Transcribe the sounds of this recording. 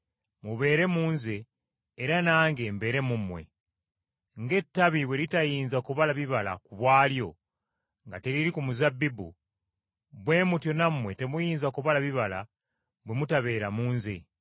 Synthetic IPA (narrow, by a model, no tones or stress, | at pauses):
muβe̞ːɾe̞muːnze̞ː | ɾanaːŋɡe̞ːmbe̞ːɾemumwe̞̰ | ŋɡe̞tːaβiβwe̞ɾitajiːnzakuβalaβiβala̰kuβwaːljo̞ | ŋɡate̞ɾiɾikumuzabːibṵ | bwe̞ːmutjo̞namwe̞te̞mujiːnzakuβalaβiβala̰ | βwe̞mutaβe̞ːɾamuːnze̞̰